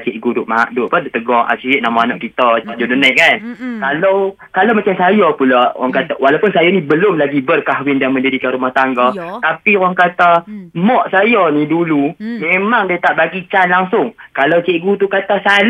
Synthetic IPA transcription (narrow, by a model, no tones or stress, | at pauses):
t͡ʃeʔɡudʊʔmaa̰ʔdʊʔpadʊʔt̪əɡɔŋʔa̰siɪʔ̚namɔanaʔkit̪ɔpaʔd͡ʒodənaʔkankalaw | kalawmat͡ʃamsajɔpulɔʔɔ̰ŋkat̪awalawpʊnsajɔnĩbəlʊmlaɡibərkaɦwɪndaŋməndidikanɾumaht̪aŋɡɔt̪apiwaŋkat̪amɔʔsajɔnidulumemaŋdiat̪aʔbaɡit͡ʃanlaŋsʊŋkalawt͡ʃeʔɡut̪ukat̪asal